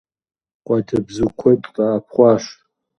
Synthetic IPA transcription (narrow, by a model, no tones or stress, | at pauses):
qʷʼadɨbzukʷʰetʼqʼaːpʰχʷaʂ